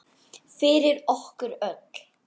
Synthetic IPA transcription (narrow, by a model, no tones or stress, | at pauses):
fɪɾɪɾɔhkʏɾœk